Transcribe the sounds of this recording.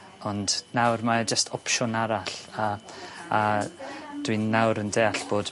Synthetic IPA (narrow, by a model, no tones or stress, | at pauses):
ɔndnawrmad͡ʒəstʰɔpʃɔnaɾaɬaː | d̥winːawɾəndeːaɬb̥oːd̥